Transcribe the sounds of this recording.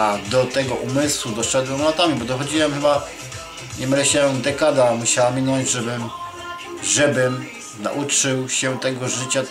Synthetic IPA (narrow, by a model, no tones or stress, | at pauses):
ad̪ɔt̪ɛɡɔʔumɘswud̪ɔʂɛd̪wɛmlat̪amʲibɔd̪ɔxɔd͡ʑiwɛmxɘba | ɲɛmɾɛɕɛɛ̃d̪ɛkad̪amuɕawamʲːinɔɲd͡ʑʐɛbɘm | ʐɛbɘm | na̰ʔut͡ʂɘwɕɛut̪ɛɡɔʐɘt͡ɕa